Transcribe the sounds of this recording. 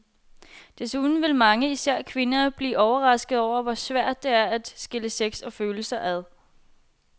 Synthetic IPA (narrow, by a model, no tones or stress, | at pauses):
d̥e̝suðˠn̩ʋe̝lmɑ̈ŋəisæɐ̰kʰʋe̝nɐb̥liːʔɒʊɐʁɑ̈sɡ̥əð̩ˠɒʊ̰ɐʋɒ̽sʋæɐ̰d̥̚ːe̝æɐæd̥sɡ̥e̝ləseɡ̥sɒ̽føːl̩sɐʔæðˠ